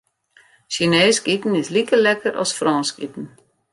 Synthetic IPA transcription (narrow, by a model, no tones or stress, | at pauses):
ʃineːskitn̩ɪslikəlɛkəɾʔɔ̰sfrɔːnskḭtn̩